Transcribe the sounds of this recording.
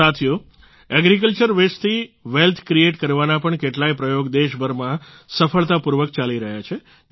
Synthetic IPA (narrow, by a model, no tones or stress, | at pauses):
at̪ʰjo | ɛɡɾik̬əlt͡ʃəɾʋest̪ʰiʋelt̪ʰkɾieʈkəɾʋanapəɳkeʈlajpɾəjoɡd̪eʃbʱəɾmã | səfəɭt̪apuɾʋək̚t͡ʃaliɾəɦjat͡ʃʰe